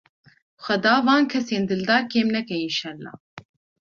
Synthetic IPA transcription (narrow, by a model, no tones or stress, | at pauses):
bxʷɛd̪ɑːvɑːnkʰɛseːnd̪ɨld̪ɑːkeːmnɛkɛinʃɑːlːɑ̰ː